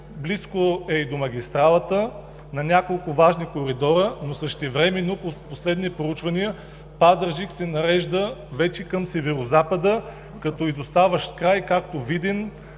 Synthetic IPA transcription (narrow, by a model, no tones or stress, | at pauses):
bliskoɛid̪omɐɡ̟ʲist̪ɾalˠət̪ə | nɐnʲakolˠkʊvaʒnikoɾid̪ɔɾənosəʃt̪ɛvɾɛmɛnːopoposlɛd̪nipɾout͡ʃvɐniə | pazəɾʒiksɛnɐɾɛʒd̪əvɛt͡ʃɛkəmsɛvɛɾozapəd̪ə | kɐt̪ɔizost̪avəʃt̪kɾajkakt̪ovid̪ɛn